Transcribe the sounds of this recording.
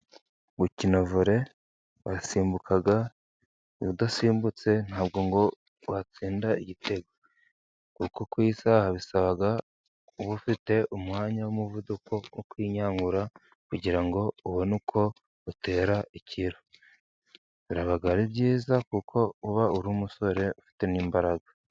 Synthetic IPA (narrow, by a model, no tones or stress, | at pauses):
βucino̞vuɾe̞ | βasiːmbukʰaɡa | iβudasiːmbut͡se̞n̥haːb̚ɡo̞ŋɡo̞ | wat͡siːndaiɟitʰe̞ɡo | kukokwisahaβisaβaɡa | uβufite̞ʔumŋaːɲawomuvudukʰo̞wokwiːɲaːŋɡuɾa | kuɟiɾaŋɡo̞uβonukʰo̞ | ute̞ːɾaʔicʰiɾo | βiɾaβaɡaɾibɟiːzakukʰo̞uβauɾuːmuso̞ɾe̞ʔufi̥te̞niːmbaɾaɡḁ